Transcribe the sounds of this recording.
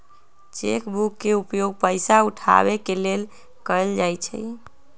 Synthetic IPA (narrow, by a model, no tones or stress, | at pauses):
t͡ʃḛkbukːeupjoɡ̚pəjsauʈʰa̰βekelel | kəəld͡ʒajt͡ʃʰɛ̰